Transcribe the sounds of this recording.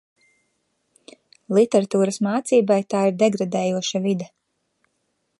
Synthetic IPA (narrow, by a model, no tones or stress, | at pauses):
lˠit̪ɛɾat̪uːɾɐsmaːt̪siːbajt̪aːiɾd̪ɛɡɾad̪ɛːjuɔʃavid̪a